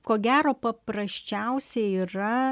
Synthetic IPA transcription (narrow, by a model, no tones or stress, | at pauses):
koːɡʲæːɾoːpɐpɾɐsʲt͡ʃʲɛʊsʲɛiːɾɐ